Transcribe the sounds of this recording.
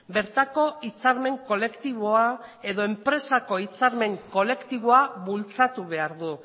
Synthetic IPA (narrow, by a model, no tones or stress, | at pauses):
be̞ɾt̪ako̞it͡saɾme̞ŋko̞le̞kt̪iβ̞o̞ae̞ðo̞e̞mpɾe̞sako̞it͡saɾme̞ŋko̞le̞kt̪iβo̞aβult͡sat̪uβ̞e̞aɾðu